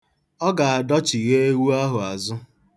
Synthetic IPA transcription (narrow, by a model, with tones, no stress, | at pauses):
ɔ˦ɡa˨a˨dɔ˦t͡ʃi˨ɣe˦e˦wu˦a˦ɦʊ˨a˨zʊ˦